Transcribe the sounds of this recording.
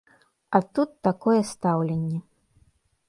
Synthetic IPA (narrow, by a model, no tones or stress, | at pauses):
ɐt̪ut̪ːakɔjɛst̪awlʲenʲːɛ